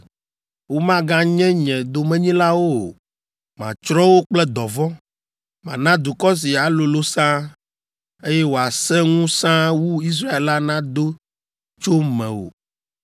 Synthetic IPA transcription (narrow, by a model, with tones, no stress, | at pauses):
wo˦mã˦ɡã˦ɲɛ̃˦ɲɛ̃˨d̪o˨mɛ̃˦ɲĩ˦la˦wo˦˨ | mã˨t͡ʃɾɔ˦wo˦k͡plɛ˦d̪ɔ˨vɔ̃˦ | mã̰˨nã˦d̪u˨kɔ˦s̬i˨a˨lo˨lo˦sã˦ | e˦jɛ˦wo˨a˨sɛ̃˦ŋũ˦sã˦wu˦i˦s̬ɾa˦e˨la˦nã˦d̪o˦ | t͡ʃo˦mɛ̰̃˨wo̰˨